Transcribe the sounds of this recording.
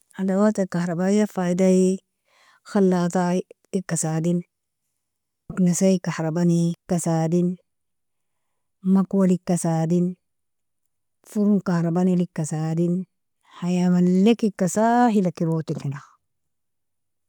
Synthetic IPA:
adawat̪akahɾabajafaidai | xalːaːt̪atikːasaːdin | uknasaikahɾabanikasaːdin | makwalikːasaːdin | fuɾunkahɾabanilikːasadin | hajawanlekikːasahilakiɾot̪ilhinax

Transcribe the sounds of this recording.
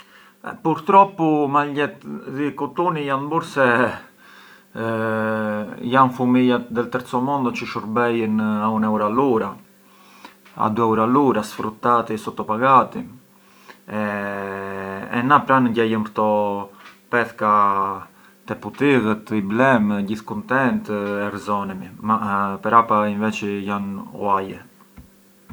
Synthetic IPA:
ɛ̰puɾt̪ɾɔpumalɛt̪ðikut̪unijanbuɾsɛ | janfumijat̪d̪ɛlt̪əɾt͡sɔmɔnd̪ɔt͡ʃəʃɔɾbɛjənaunɛuɾaluɾa | a̰d̪uɛwɾaluɾasfɾut̪ːat̪isɔt̪ɔpaɡat̪i | ɛ̰napɾanəɟɛjəmpt̪ɔ | pɛθka | t̪ɛput̪iɣət̪iblɛmɟiθkunt̪ɛnt̪ɛrzɔnɛmimapɛɾapainvɛt͡ʃəjanw̰ajɛ

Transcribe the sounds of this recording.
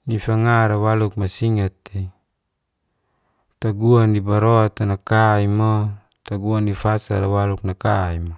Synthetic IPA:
nifaŋaɾawaluk̚masiŋat̪e | t̪aɡuanibaɾoat̪anakaimo | t̪aɡuanifasa̰ɾawaluk̚nakaimo

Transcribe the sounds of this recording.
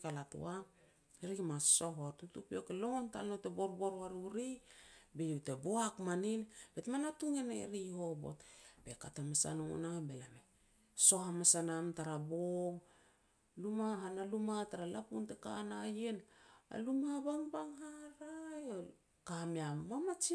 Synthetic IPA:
kalatṵa | eɾikmassoɦoatutupiokelo̞ŋontalnotebo̞ɾbo̞ɾaɾuɾibejuteboakmaninbetmanatuŋeneɾiho̞bo̞̰tbekatamasa̰noŋo̰nabe̞lame | so̞ɦamasanamtaɾaboom | lumaɦanalumataɾalapuntekanajena̰lumabaŋbaŋhaɾajo | kamiamamat͡ʃi

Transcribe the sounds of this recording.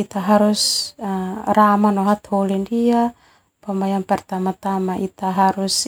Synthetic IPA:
it̪aɦaɾus | ramanɔɦat̪holindia | pamajanpɛrt̪amat̪amaʔit̪aɦaɾus

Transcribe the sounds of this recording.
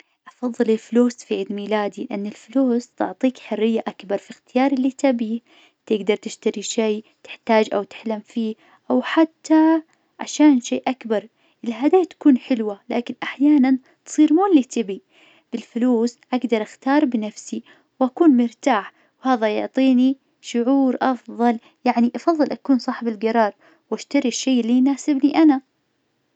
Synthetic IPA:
ʔɑfɑðˤːɨlɪlfʊluːsfiʕɪd̪miːlaːd̪ilɪʔanːɪlfʊluːst̪ʊ̰ʕt̪ˤiːkħʊrːɪjːaʔakbɑɾˤfixt̪ɪjɑːɾˤɪlːit̪ɪbiː | t̪ɪɡd̪ɑɾˤt̪ɪʃt̪aɾiʃeːt̪ɪ̥ħt̪aːd͡ʒʔawt̪ɪ̥ħlamfiː | ʔawħat̪ːa | ʕa̰ʃaːnʃeːʔakbɑɾˤ | ʔɪlɦad̪aːt̪ḁkuːnħɪlwala̰ːkɪnʔaħjaːnan | t̪sˤiːɾmuːɪlːit̪ɪbi | b̥ɪlfʊluːsʔaɡd̪ɑɾˤʔaxt̪ɑːɾˤbɪnafsi | wʔakuːnmʊɾt̪aːħ | whaːðajʊʕt̪ˤiːni | ʃʊʕuːɾʔɑfðˤɑl | jaʕniʔɑfɑðˤːɨlʔakuːnsˤɑːħɪbɪlɡɑɾˤɑːɾˤ | waʃt̪aɾiʃːeːlːijnaːsɪbniʔana

